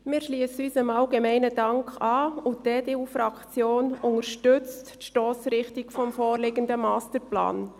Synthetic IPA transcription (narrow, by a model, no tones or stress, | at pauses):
mɪːɾʃliəsyːsəmɑlɡemɛɪnədɑŋkχɑːʊdɛːd̥eufɾɑkt͡sjoːnʊŋəɾʃtʏt͡sttʃtɔːsɾɪχtikfɔmfɔːrlɪɡəndəmɑːstəɾplɑ̰ːn